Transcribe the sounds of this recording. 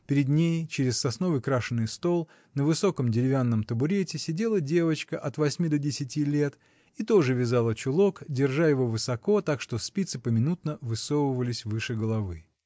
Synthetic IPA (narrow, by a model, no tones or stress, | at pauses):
pʲɪɾʲɪd̪nʲejt͡ɕɪɾʲɪssɐsno̞vəɨjkɾaʂɨnːɨjst̪o̞lˠ | nəvɨso̞kəmdʲɪɾʲɪvʲanːəmt̪əbʊɾʲetʲɪsʲɪdʲe̞lˠədʲe̞vət͡ɕkəʔɐt̪vɐsʲmʲid̪odʲɪsʲɪtʲilʲe̞t̪ | it̪o̞ʐɨvʲɪzalˠət͡ɕʊlˠo̞kdʲɪrʐajɪvo̞vɨsɐko̞t̪akʂt̪ospʲit̪sɨpəmʲɪnut̪nəvɨsovʊvəlʲɪsʲvɨʂɨɡəlˠɐvɨ